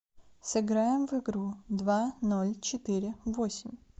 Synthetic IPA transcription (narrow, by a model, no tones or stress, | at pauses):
sɪɣɾɑjemʋɪɣɾud̪ʋɑnɔlʲt͡ʃɔt̪ɪɾʲɪʋɔsʲim